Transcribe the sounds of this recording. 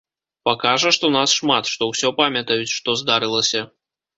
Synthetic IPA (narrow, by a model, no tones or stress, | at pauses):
pakaʐɐʂt̪ɔnasʂmat̪ʂt̪ɔwsʲɔpamʲjɐt̪ɐjut͡sʲʂt̪ɔzd̪aɾɨlˠɐsʲɐ